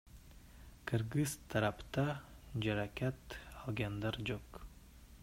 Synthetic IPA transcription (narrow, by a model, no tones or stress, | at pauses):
kʰɨɾɡɨzt̪ʰːaɾapt̪a | d͡ʒaɾakʲʰat̪alˠɡʲand̪aɾd͡ʒok